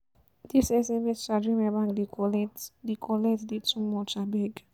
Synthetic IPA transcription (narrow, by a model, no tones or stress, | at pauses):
disɛsɛmɛst͡ʃadɹĩmɛbãŋdikɔlɛtdikʰɔlɛtdidtʰumɔt͡ʃabɛɡ